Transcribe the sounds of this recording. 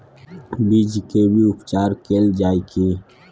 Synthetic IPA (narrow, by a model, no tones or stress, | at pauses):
bid͡ʒkebʱiʊpt͡ʃaːɾkeːld͡ʒaːikiː